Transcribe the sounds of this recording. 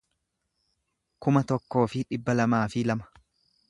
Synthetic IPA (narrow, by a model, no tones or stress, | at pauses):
kʊmɐt̪ɔkːo̞ːfɪᶑɪbːɐlɐmaːfɪlɐmɐ̥